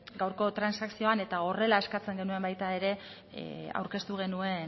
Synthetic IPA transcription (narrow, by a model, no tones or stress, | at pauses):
ɡawɾko̞t̪ɾansaksio̞ane̞t̪ao̞re̞lae̞skat͡se̞ŋɡe̞nue̞mbajt̪ae̞ɾe̞ | a̰wɾke̞st̪uɣ̞e̞nue̞n